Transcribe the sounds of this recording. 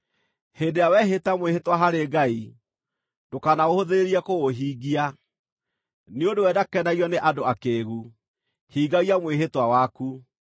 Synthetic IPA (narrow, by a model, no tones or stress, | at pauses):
hendeawɛɦetamwehetwaɦaɾeɡai | dokanaohoðeɾeɾiakoɣoɦiːɡia | neondowɛdakɛnaɣiɔneʔadoakeːɣu | hiːɡaɣiamweɦetwawaku